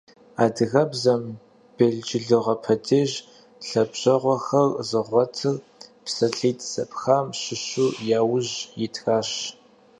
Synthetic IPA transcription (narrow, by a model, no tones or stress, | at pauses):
aːdɨɣɐbzɐm | b̥eɮd͡ʒɪɮɨʁɐpʰɐdʰeːʑ | ɬɐbɕɐʁʷɔxɐrzɨʁʷɔtʰɨr | psɐɬiːtʰʼsɐpʼxaːmɕɪɕuːjaːwʊʑjɪtʰxaːɕ